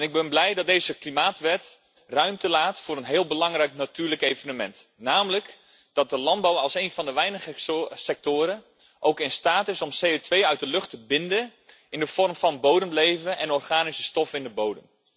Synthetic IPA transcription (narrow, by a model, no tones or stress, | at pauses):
nɪɡ̚bɛnblɛjdɑt̚dejzəklimaːtʋɛt | rœɥmtəlaːtfʊːɾənɦɪːlˠbəlɑŋrɛjknatyːrləkejvənəmɛntnaːmələk | d̥ɑt̚dəlɑnd̚bawɑlˠsejnvɑndəʋɛjnəχsɛk̚toʊːɾə | ʔowkɪnstaːtɪsɔmsejotʋejœɥt̚dəlɵχtəbɪndə | ɪndəv̥ɔrmfɑnbowdəmlejvənɛnɔrχaːnisə̥stɔfɪndəbowdəm